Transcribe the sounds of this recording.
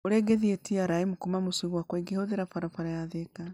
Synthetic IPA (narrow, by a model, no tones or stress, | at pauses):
oɾeɡeðietiaɾaimukumamusuiɣwakweɡihoðeɾafaɾafaɾajaðeka